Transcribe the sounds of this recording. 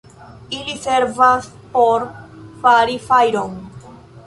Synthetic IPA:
iliseɾvas | poɾfaɾifajɾon

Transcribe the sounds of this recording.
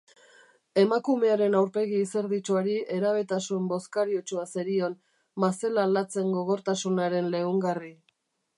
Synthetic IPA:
e̞makume̞aɾe̞nawɾpe̞ɣiːse̞ɾðit͡ʃuaɾiʔe̞ɾaβ̞e̞t̪asumbo̞skaɾiot͡ʃuaseɾio̞n | mase̞lalat͡se̞ŋɡo̞ɣ̞o̞ɾt̪asunaɾe̞nle̞uŋɡari

